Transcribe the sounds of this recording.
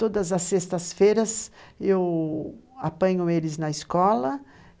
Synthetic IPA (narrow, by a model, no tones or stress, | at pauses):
t̪od̪ɐzɐsːest̪ɐsfejɾɐzew | apɐ̃ɲʊelɪznɐɪskɔlɐ